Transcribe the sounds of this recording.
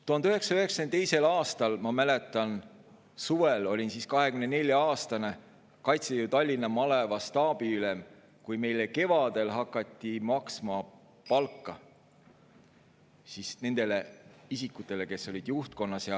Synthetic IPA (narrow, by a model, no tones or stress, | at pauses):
t̪uɦɑnøɦe̞ksɑøɦe̞ksɑ̥ent̪e̞jse̞lɑːst̪ɑlmɑmæle̞t̪ːˑɑn | suvelo̞lʲinsiskɑɦe̞kymnenelʲjɑɑːst̪ɑne̞ | kɑjt̪sejut̪ɑlʲːinːɑmɑle̞vɑst̪ɑːb̥iylem | kujme̞jle̞ke̞vɑd̪̥e̞lɦɑkːˑɑt̪ʲːimɑksmɑ | pɑlkːˑɑ | sisne̞nd̪̥e̞le̞isikːut̪ːˑe̞le̞ke̞sːo̞lʲid̪̥juht̪̚ko̞nːɑsjɑ